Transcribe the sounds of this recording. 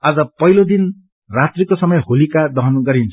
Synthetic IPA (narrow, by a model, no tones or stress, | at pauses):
ad͡zʌpʌjlod̪in | rat̪rikosʌmʌjholikad̪ʌɦʌnɡʌɾint͡sʰ